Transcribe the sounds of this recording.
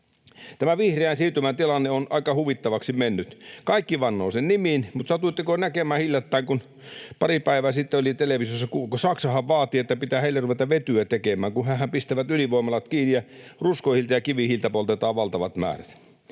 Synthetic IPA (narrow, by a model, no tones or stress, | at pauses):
t̪æmæʋihreænsiːt̪ymænt̪ilɑnːeonɑ̰ikɑhuʋit̪ːɑʋɑksimenːyt̪kɑikːiʋɑnːoːsenniminmut̪sɑt̪uit̪ːikonækemæːhilʲjɑt̪ːæiŋkun | pɑripæiʋæːsit̪ːeolit̪eleʋisosːɑkukosɑksɑhɑʋʋɑːt̪iet̪ːæpit̪æːheˑilːˑeruʋet̪ɑʋʋet̪yæt̪ekemæːŋkuhæːhæmpist̪æʋæt̪yliʋoimɑlɑt̪kiːnijjɑruskoihilt̪ɑjɑkiʋihilt̪æpolt̪et̪ɑːʋʋɑlt̪ɑʋɑt̪mæ̰ːræt̪